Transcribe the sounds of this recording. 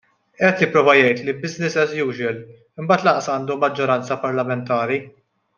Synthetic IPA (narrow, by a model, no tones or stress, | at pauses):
ʔɛt̪jɪpɾɔːvɐjɛjt̪libɪznɪsɛzjuːd͡ʒɛl | ɪmbɐːt̪lɐʔsɐːnd̪umːɐd͡ʒːɔɾɐnt͡sɐpɐɾlɐmɛnt̪ɐːɾi